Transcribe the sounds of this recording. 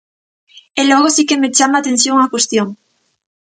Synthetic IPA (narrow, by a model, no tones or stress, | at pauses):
eloɣosike̞me̞t͡ʃamaːt̪e̞n̟θjo̞ŋakwe̞st̪joŋ